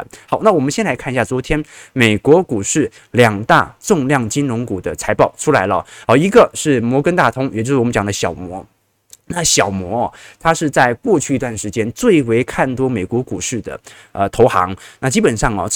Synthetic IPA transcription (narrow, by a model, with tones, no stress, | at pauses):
xɑ˨˩˦ʊna˥˩wɔ˨˩mə˦nɕjɛ˥nla˧˥ɪkʰa˥˧ɕja˥˩t͡swɔ˧˥t̪ʰjɛ˥nme˨˩ɪkwɔ˧˥ku˨˩ʂɻ̩˥˩ | ljɑ˨˩ŋt̪a̰˥˧ʈ͡ʂʊ˥˧ŋljɑ˥˩ŋt͡ɕi˥nɻʊ˧˥ŋku˨˩d̪ə˦t͡sʰa˧˥ɪpɑ˥˩ʊʈ͡ʂʰu˥la˧˥ɪlə˧xɑ˧˩i˧˥ɡə˧ʂɻ̩˥˩mwɔ˧˥kə˥nt̪a˥˩t̪ʰʊ˥ŋjt͡ɕjo˥˧ʂɻ̩˥˩˨m˦nt͡ɕjɑ˨˩nd̪ə˦ɕjɑ˨˩ʊmwɔ˧˥ | na˥˩ɕjɑ˨˩ʊmwɔ˧˥ɐ˧t̪ʰa˥ʂɻ̩˥˧t͡sa˥˧ɪkwɔ˥˧t͡ɕʰy˥˧i˧˥t̪wa˥˩nʂɻ̩˧˥t͡ɕjɛ˥nt͡swe˥˩ɪwe˧˥ɪkʰa˥˩nt̪wɔ˥me˨˩ɪkwɔ˧˥ku˨˩ʂɻ̩˥˩d̪ə̰˩ | ə̰˧t̪ʰo˧˥ʊxɑ̰˧˥ŋna˥˩t͡ɕi˥pə˨˩nʂɑ˥˩ŋɐ̰˩